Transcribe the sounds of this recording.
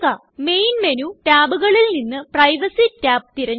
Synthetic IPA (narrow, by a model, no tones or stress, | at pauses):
ɐ | me̞jnme̞nutaːbuɣɐɭilninːɨprɐjʋɐsitaːp̚t̪iɾɐɲ